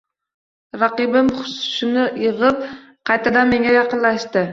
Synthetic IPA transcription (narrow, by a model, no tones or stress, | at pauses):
ɾɑqɨbɪmχʊ̥sʊ̥ʃɪnɪjɨʁɨp̚ | qʰɑjt̪ad̪amːe̞ŋajɑqɨnlaʃt̪ɪ